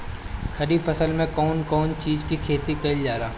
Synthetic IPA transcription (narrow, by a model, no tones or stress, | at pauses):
kʰɐɾiːbfɐsəlmẽkɔːnkɔːnt͡ʃiːzkikʰeːt̪ikɐɪld͡ʒaːɾaː